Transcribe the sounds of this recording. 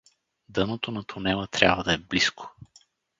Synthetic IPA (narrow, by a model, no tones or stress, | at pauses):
d̪ɤnot̪onɐt̪ʰʊnɛlˠət̪ɾʲa̰bvəd̪ɐɛbliskʰo̥